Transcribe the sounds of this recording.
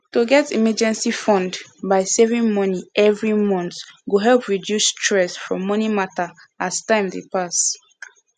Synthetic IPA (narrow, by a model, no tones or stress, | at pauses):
toɡɛtimɛd͡ʒɛ̃nsifɔ̃ndbaɪsɛvĩŋmɔniʔɛvɹimɔ̃nθɡoɦɛlˠpɹidjustʰɹɛsfɹɔ̰̃mɔnimata | astãɪ̃mdepas